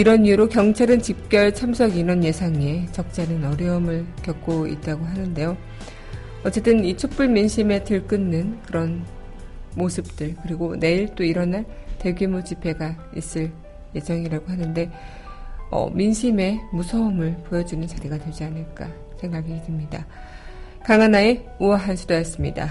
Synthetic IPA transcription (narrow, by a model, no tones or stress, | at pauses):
iɾʌniuɾokjʌŋt͡ɕʰaɾɯnt͡ɕip̚k͈jʌɭt͡ɕʰamsʰʌɡinʌnje̞sʰaŋe̞t͡ɕʌk̚t͡ɕ͈anɯnʌɾjʌʌmɯɭkjʌk̚k͈oḭt̚t͈aɡoɦanɯnde̞jo | ʌt͡ɕ͈e̞t͈ɯnit͡ɕʰok̚p͈uɭminɕʰime̞tɯɭk͈ɯnːɯnkɯɾʌn | mosʰɯp̚t͈ɯɭkɯɾiɡone̞iɭt͈oiɾʌnaɭte̞ɡjumut͡ɕipʰe̞ɡa | ḭs͈ɯɭ | je̞d͡ʑʌŋiɾaɡoɦanɯnde̞ | ʌ̰minɕʰime̞musʰʌʌmɯɭpojʌd͡ʑunɯnt͡ɕaɾiɡadwed͡ʑianɯɭk͈a | sʰe̞ŋɡaɡitɯmɲida | kaŋanae̞uaɦansʰudojʌs͈ɯmɲida̰